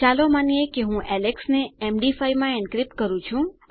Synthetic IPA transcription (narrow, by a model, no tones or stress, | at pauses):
t͡ʃalomanijekeɦũʔɛleksneemɖifajmãeɳɖkɾip̚ʈkəɾũt͡ʃʰũ